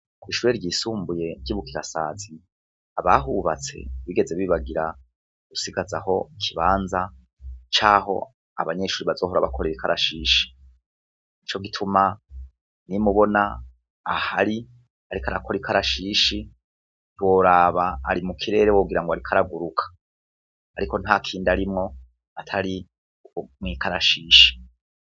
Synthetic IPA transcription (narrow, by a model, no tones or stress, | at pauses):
kwiːʃuɾeɾɟiːsuːmbuje̞ɾɟiβukiɾasa̰ːzi | aβa̰ɦuːβa̰t͡se̞̰βiɡe̞ze̞βiːβaɡiɾa | ɡ̥usiɡazaho̞kʰiβaːnza | t͡ʃaːɦo̞̰ | a̰βaɲe̞ʃuːɾiβazoːɦuɾaβakʰoɾiɾikʰaɾʔa̰ʃiːʃi̥ | it͡ʃo̞ɡitʰuma | nimuβo̞naː | haɾi | aɾikaɾakʰo̞ɾikʰaɾaʃiʃi | two̞ːɾaβaːɾimukʰiɾe̞ːɾewoːɡiɾaŋɡoaɾikʰaɾaɡuɾukʰḁː | ɾiko̞nhakʰiːndaɾimŋo̞ | atʰaɾi | mŋiːkʰaɾaʃiːʃi̥